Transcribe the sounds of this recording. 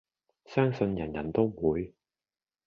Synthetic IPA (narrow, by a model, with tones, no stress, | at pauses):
sœː˥ŋsɵ˧njɐ˨˩njɐ˨˩nt̪o˥wmuː˨˧j